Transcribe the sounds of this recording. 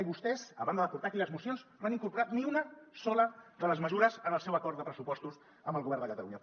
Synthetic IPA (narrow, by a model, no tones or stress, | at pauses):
iβust̪ɛzəβand̪əðəpuɾt̪akiləzmusjonzmaniŋkuɾpuɾat̪niunəsɔləðələzməzuɾəzənəlˠsewəkɔɾt̪d̪əpɾəsupɔst̪us | əmbəlˠɣuβɛrnd̪əkət̪əluɲə